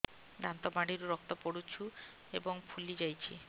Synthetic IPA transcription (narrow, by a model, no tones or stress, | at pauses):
d̪ant̪ɔbaɽiɾuɾɔk̚t̪ɔpoɽut͡ʃʰu | ebɔŋpʰulid͡ʒajt͡ʃʰḭ